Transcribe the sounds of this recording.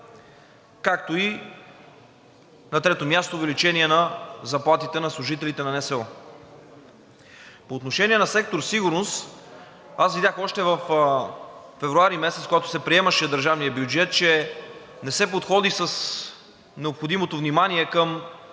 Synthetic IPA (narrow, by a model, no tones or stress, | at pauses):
kak̚t̪oi | nɐt̪ɾɛt̪omʲjast̪oːvɛlit͡ʃɛniɛnɐzɐplˠat̪it̪ɛnɐslˠʊʒit̪ɛlit̪ɛnɐnɛsɛɔ | poːt̪noʃɛniɛnɐsɛk̚t̪oɾsiɡʊɾnost̪ | asvid̪ʲjaxɔʃt̪ɛvɐfː | ɛvɾuaɾimɛsɛt̪skoɡat̪ʊ̥sɛpɾiɛmɐʃɛd̪əɾʒavnijəbjud͡ʒɛt̪̚t͡ʃɛ | nɛsɛpot̪xɔd̪isəs | nɛopxod̪imot̪ovnimaniɛkəm